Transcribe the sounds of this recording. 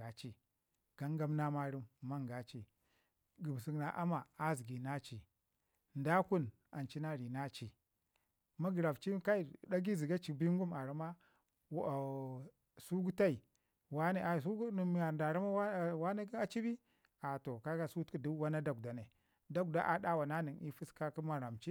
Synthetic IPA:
a˨t͡ʃi˦ | ɡ̥a˦ŋɡa˦mna˦ma˦ɾi˦mːa˦ŋɡa˨t͡ʃi˦ | ɡu˨m˨si˨˦ɡna˨ʔa˦ma˨a˦zi˨ɡi˨na˦t͡ʃi˨ | n˨da˦ku˦n | a˨nt͡ʃi˦na˦ɾi˨na˦t͡ʃi˦˨ | ma˦ɡi˨ɾa˨vt͡ʃi˦ka˦i˦˨da˦ɡi˦zi˨ɡa˦t͡ʃi˨bi˦ŋ˦ɡu˦ma˨ɾa˨˦ma˦˨ | su˦ɡu˦ta˦i˨ | wa˦ne˦ʔa˨s̬u˦ɡn˨m˨a˨da˨ɾa˦ma˦wa˦˨wa˦ne˦a˦t͡ʃi˦bi˦ | a˨to˨ka˦ɡa˦su˦tki˦du˦wa˦na˦da˦˨ɡ̚da˨ne˨ | da˦k̚da˦ʔa˨da˦wa˨na˦ni˨ni˦fi˦ska˦ki˦ma˨ɾa˨mt͡ʃi˦

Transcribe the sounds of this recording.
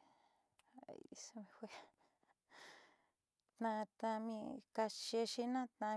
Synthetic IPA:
so˧mĩ˧xwe˦ | t̪nã˧t̪ã˧mĩ˧ka˧ʃe˧ʃi˧nã˦t̪ã˧

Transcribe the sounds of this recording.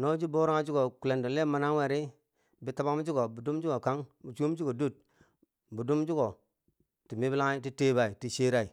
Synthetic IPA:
no˦d͡ʒi˦bo˦ɾa˦d͡ʒi˦ɡo˨ku˨le˨ndo˨le˦ma˨na˦ŋwe˨ɾi˦ | bi˨ta˦ba˦m˦d͡ʒi˦ɡo˨bu˨du˦m˦d͡ʒu˦ɡo˨ka˦ŋbu˨t͡ʃu˦m˦d͡ʒu˦ɡo˨du˦˨t̚ | bu˨du˦md͡ʒu˦ɡo˨ | ti˨mi˦bla˦ti˦te˦ba˨i˨ti˨ʃe˦ɾa˦i˨

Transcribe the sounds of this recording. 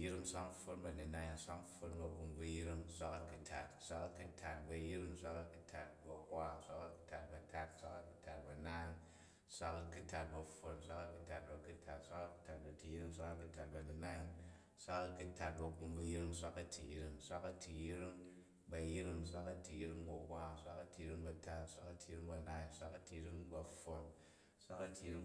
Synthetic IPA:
ji˦ɾi˦ŋsʷa˦kfo˦nbɐ˨ni˨na˦ji˧nsʷa˦kfo˦nbɐ˨ku˧mbu˧ji˦ɾi˦ŋsʷa˦kɐ˦kɨ˧tʰa˨tsʷa˦kɐ˦kɨ˦tʰa˨t̚bɐ˨ji˦ɾi˦ŋsʷa˦kɐ˦kɨ˦tʰa˨t̚bɐ˨kʷa˦˨sʷa˦ka˦ku̥˦tʰa˨t̚bɐ˨tʰa˦t̚sʷa˦kɐ˦kɨ˦tʰa˨t̚bɐ˨na˦˧n | sʷa˦kɐ˧kɨ˦ta˨t̚bɐ˨fo˧nsʷa˦kɐ˦kɨ˦ta˨t̚bɐ˨ku˦tʰa˨tsʷa˦ka˦kɨ̥˦ta˨t̚bɐ˨ti˨ji˦ɾi˦ŋsʷa˦ka˦˧kɨ˦ta˨t̚bɐ˨ni˨na˦ji˧n | sʷa˦kɐ˧ku˦ta˨t̚bɐ˨ku˧mbu˧ji˦ɾi˦ŋsʷa˦kɐ˦tʰḭ˨ji˦ɾi˦ŋsʷa˦kɐ˦ti˨ji˦ɾi˦ŋ | bɐ˨ji˦ɾi˦ŋsʷa˦kɐ˦ti˨ji˦ɾi˦ŋbɐ˨kʷa˦˨sʷa˦kɐ˦ti˨ji˦ɾi˦ŋbɐ˧ta˦tsʷa˦kɐ˦˧ti˨i˦ɾi˦ŋbɐ˨na˦i˧˦sʷa˦kɐ˦ti˨i˦ɾi˦ŋbɐ˨fo˨n | sʷa˦kɐ˦ti˨ji˦ɾi˦

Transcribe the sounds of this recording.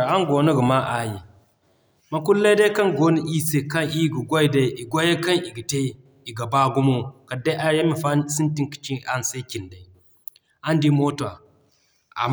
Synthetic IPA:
a˦ŋɡo˨nə˦ɡə˨ma˦ʔa˨ji˨ | ma˨ku˦lːe˦da˦ka˦nɡo˦ni˦ʔi˦se˨ka˦nʔi˦˨ɡu˨ɡʷo˦i˨da˦i˨ʔi˨ɡʷo˦je˦ka˦ni˨ɡi˨te˦ | i˨ɡa˨ba˦ɡu˦mo˦ka˨da˦ʔa˦a˦mi˨fa˦si˦nti˦nki̥˨t͡ʃi˦a˦n˨sa˦kʲi˨nda˨i˨ | a˦ndi˦mo˦to˨a˨ | a̰˨

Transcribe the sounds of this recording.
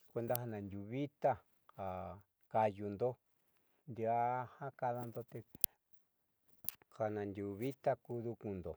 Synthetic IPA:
kʷe˧nd̪a˧ɦa˧nã˨nd̪ʲu˧βi˦t̪a˦ | ha˨ | ka˧ju˧nd̪o˦ | nd̪i˧a˦hã˦ka˧ða˧nd̪o˧t̪e˧ | ha˨nã˨nd̪ʲu˧βi˦t̪a˦ku˦ðu˧kũ˧nd̪o˨

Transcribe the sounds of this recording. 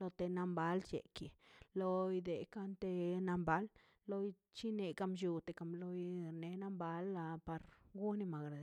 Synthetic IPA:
lo˧t̪e˨na˧mba˦lt͡ʃḛ˨ki˨lo˧jd̪e˨ka˦nt̪e˧na˧mba˦lː | o˦j | t͡ʃi˦ne˨ka˦mʃu˨˧t̪e˨ka˧˨mlo˧jɾne˨na˦mba˦la˧pa˨ɾɡu˦ni˧ma˨ɡɾa˨

